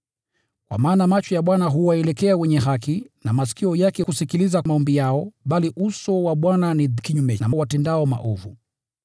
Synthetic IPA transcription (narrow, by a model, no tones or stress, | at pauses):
kwa̰maːnamat͡ʃɔjaɓwanaɦuwaɛlɛkɛawɛɲɛɦakinamasi̥kiɔjakɛkusikilizamaɔmbijaɔɓaliʔusɔwaɓwananikiɲumɛnamawatɛndaɔma̰ʔɔvṵ